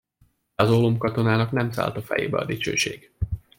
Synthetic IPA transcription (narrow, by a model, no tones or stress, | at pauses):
ɒzolomkɒt̪o̞naːnɒknɛmsa̰ːlt̪ɒfɛ̰jḛːbɛɒ̰d̪it͡ʃø̰ːʃḛːɡ̥